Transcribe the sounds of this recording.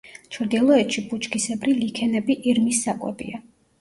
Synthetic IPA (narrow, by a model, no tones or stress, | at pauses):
t͡ʃʰɾd̪iɛlˠɔɛt̪ʃibut͡ʃʰʼkʰisɛbɾilikʰɛnɛbiʔiɾmisːakʼwɛ̰bḭa